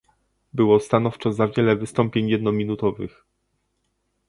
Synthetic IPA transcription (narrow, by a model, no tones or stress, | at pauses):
bɘwɔst̪anɔft͡ʂɔzavʲjɛlɛvɘst̪ɔmpʲjeɲjɛd̪nɔmʲinut̪ɔvɘ̰x